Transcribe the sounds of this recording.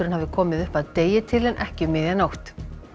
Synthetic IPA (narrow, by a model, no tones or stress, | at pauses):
ʏɾɪnhavðɪkʰɔːmɪðʏhpaðt̪eːjɪt̪ʰɪlɛnʔɛhcɪmɪːðjanawht̪